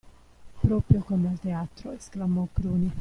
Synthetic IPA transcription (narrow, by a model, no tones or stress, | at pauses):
pɾoːpɾjokomalt̪eaːt̪ɾoesklamokɾuːni